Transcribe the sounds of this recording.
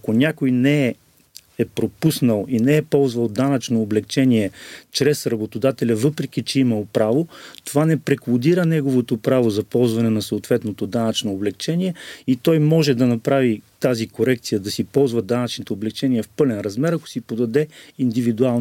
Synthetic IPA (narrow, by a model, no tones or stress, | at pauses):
ɐkonʲakojnɛɛː | pɾopusnəlˠinɛɛpɔlˠzvɐlˠd̪anɐt͡ʃnoːblɛkt͡ʃɛniɛt͡ʃɾɛsɾɐbot̪od̪at̪ɛlʲɐvɤpɾɛk̟it͡ʃɛimɐlˠpɾavot̪ovanɛpɾɛkˠod̪iɾənɛɡovot̪opɾavozɐpɔlˠzvɐnɛnɐsooːt̪vɛt̪not̪od̪anɐt͡ʃnoːblɛkt͡ʃɛniɛit̪ɔjmɔʒɛd̪ɐnɐpɾavit̪azikoɾɛkt̪sijəd̪ɐsipɔlˠzvɐd̪anɐt͡ʃnot̪ɛoblɛk̚t͡ʃɛniɛfpɤlɛnɾɐzmɛɾɐko̥sipod̪ɐd̪ɛind̪ivid̪ualˠn